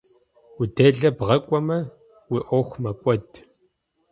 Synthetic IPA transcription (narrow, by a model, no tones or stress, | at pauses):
udeːɮɐbʁɐkʷʼɔmɐ | wiːʔʷɔxʷmɐkʷʼɔd